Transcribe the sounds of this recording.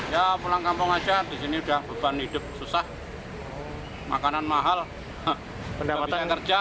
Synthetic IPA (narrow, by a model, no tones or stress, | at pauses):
japulaŋkampʊŋḁd͡ʒad̥isiniudahb̥a̤b̥anhid̥ʊp̚susah | ma̰kananmaɦal | əndaaiaakər̥d͡ʒa